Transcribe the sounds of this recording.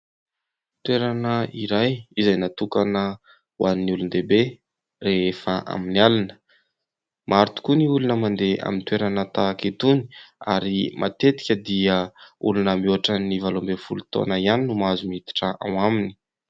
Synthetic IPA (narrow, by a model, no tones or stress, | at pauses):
t̪weɾanəiɾajizajnat̪ukanə | wʔanniulund̪ebe | reefəʔa̰minialanə̥ | maɾt̪u̥kuniulunəmand̪ea̰mint̪weɾanət̪akit̪uni̥a̰ɾimʔa̰t̪et̪i̥kʲəd̪iəulunəmioaʈ͡ʂənivalombefulut̪o̰nəianinumazumit̪i̥ʈ͡ʂəʔa̰w̃amini̥